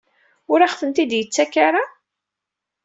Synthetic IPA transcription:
ʊɾaχθənt̪id̪jət͡sːækːaɾa

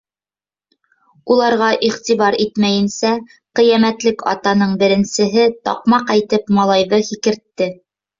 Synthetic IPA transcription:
ulˠɑɾʁɑʔiχt̪iβɑɾit̪mæjɘ̆nsæ | qĭjæmæt̪lɘkɑ̰t̪ɑnɤɴbɘ̆ɾɘ̆nsɘ̆ɦɘt̪ɑ̰qmɑqæjt̪ɘpmɑlˠɑjðɤhikɘ̆ɾt̪ːɘ

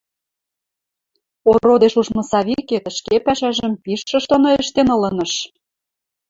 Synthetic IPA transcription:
orod̪eʃuʒmɤ̆sɑβiket̪ə̆ʃkepæʃæʒə̆mpiʃːɤ̆ʃt̪onoeʃt̪enɤ̆lɤ̆nɤ̆ʃ

